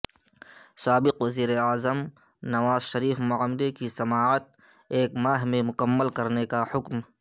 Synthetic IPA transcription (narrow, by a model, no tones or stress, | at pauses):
saːbɪqwɐziːɾeaːzəmnɐʋaːzʃɐɾiːfmʊəmd̪ekisɐmaːət̪̚eːkmaːɦmẽmʊkəmːəlkɐɾnekahʊkm